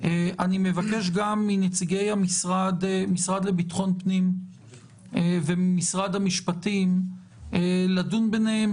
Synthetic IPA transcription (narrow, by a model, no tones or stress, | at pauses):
ʔeʔanimevake̞ʃ̬ɡamːinet͡siɡe̞jamisʁad̪misʁad̪lebitχo̞npnim | vemisʁad̪hamiʃpatim | eladunbenehem